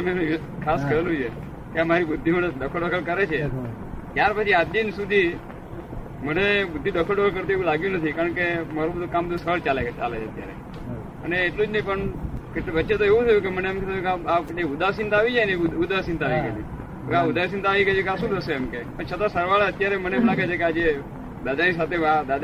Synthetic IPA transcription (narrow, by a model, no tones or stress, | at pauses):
mee | kʰaskəɾelũd͡ʒʰe | keamaɾibʊd̪ʱːiməned̪əkʰəlɖəkʰəlkəɾet͡ʃʰe | t̪jaɾpət͡ʃʰiad̪insud̪ʱi | mənebʊd̪ʱːid̪əkʰəlɖəkʰəlkəɾt̪ueʋũlaɡjũnət̪ʰikaɾəɳkemaɾubəd̪ʱukambəd̪ʱusəɭt͡ʃalea̰let͡ʃʰeət̪ja̰ɾḛ | əneːʈlud͡ʒnəɦĩpəɳkeʈʋətːʃet̪oeʋũt̪ʰəjũkeməneemket̪ʰəjũkaaeʊd̪asɪnt̪aʋid͡ʒajneud̪asɪnt̪aʋiɡəd͡ʒũ | kaʊd̪asɪ̃nt̪aːʋiɡəd͡ʒukasũd̪ʰʱəseːmkepəɳt͡ʃʰət̪asəɾʋaɭeət̪jaɾeməneplaɡet͡ʃʰekead͡ʒe | d̪ad̪anisat̪ʰead̪ad̪